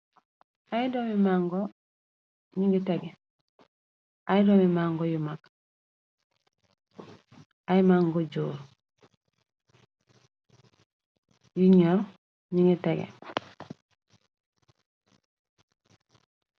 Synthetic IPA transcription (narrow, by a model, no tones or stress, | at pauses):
aidomimaŋɡɔ | ɲiŋɡiteɡe | ajdomimaŋɡojumak | ajimaːŋɡod͡ʒoːɾ | juɲoɾ | ɲiŋɡiteɡḛ